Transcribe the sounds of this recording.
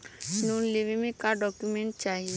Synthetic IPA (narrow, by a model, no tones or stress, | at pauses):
nuleʋemẽkaɖɔkjumẽɳʈ̚t͡ʃaːɦie